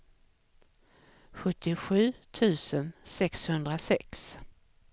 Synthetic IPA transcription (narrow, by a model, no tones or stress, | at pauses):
ɧɵt̪ʰːɪɧʉ̟ːt̪ʰʉ̟ːsənsɛkshɵnd̪ɾasɛks